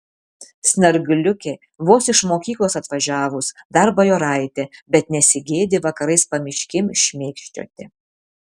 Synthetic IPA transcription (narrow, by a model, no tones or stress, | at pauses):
sʲnʲɐɾɡʲʊlʲʊkʲe | ʋoːsɪʃmoːkʲiːklˠoːsɐt̪ʋɐʒʲæːʋʊsd̪ɐɾbɐjoːɾɐɪt̪ʲebʲɛt̪nʲɛsʲɪɡʲeːd̪ʲɪʋɐkɐɾɐɪspɐmʲɪʃʲkʲɪmʃʲmʲeːkʃʲt͡ʃʲo̰ːt̪ʲɪ